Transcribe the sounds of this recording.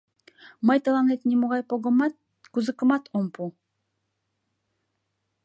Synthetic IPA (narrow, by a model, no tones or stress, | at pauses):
mɑjt̪əlˠɑnet̪nʲimuʁɑjpoɡmɑt̪ | kuzɨkə̆mɑt̪ʰompu